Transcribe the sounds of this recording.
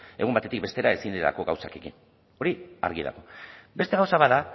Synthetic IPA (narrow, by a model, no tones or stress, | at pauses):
e̞ɣumbat̪et̪ik̚be̞st̪e̞ɾae̞sind̪eɾa̰ko̞ɣa̰wsa̰ke̞kḭn | o̞ɾia̰ɾɣiða̰ɣo̞be̞st̪e̞ɣawsaβaða